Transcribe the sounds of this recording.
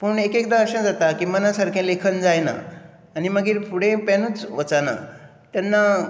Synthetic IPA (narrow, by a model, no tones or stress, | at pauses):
pəɳekekd̪ãəɕə̃d͡zat̪akiːmənasaɾkʰẽlekʰənd͡zajna̰ː | niməɡiːɾpʰuɽẽpɛnuːt͡sʋət͡sana̰ | t̪janːa